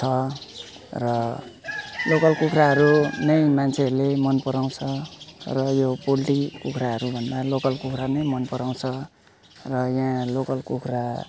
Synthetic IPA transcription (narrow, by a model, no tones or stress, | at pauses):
t͡sʰʌ | rʌ | lokʌlkukʰɾaɦʌɾunʌjmant͡sʰeʌrlemʌnpʌɾaw̃t͡sʰʌrʌjopolʈikukʰraɦʌɾubʱʌnd̪alokʌlkukʰranʌjmʌnpʌɾaw̃t͡sʰʌ | rʌjãlokʌlkukʰra